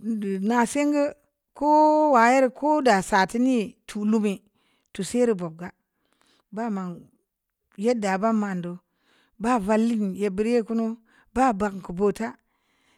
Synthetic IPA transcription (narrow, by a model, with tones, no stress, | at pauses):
na˨se˦ŋɡə˦ | ko˦wa˨je˦ɾko˦da˨sa˨ti˦ni˦tʰu˨lu˦mi˨ | tu˨se˦ɾi˦bo˨b̚ɡa˨ | ba˦˨ma˨ŋ | je˦da˨ba˦ma˨ndo˨ | ba˦˨va˦lːi˦nje˨bi˦ɾe˦ku˦no˦ | ba˦ba˨kŋ˨ku˨bo˦ta˦